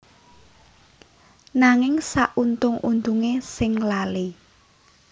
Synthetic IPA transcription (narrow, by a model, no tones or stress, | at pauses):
naŋɪŋsaʔunt̪ʊŋund̪uŋesɪŋlali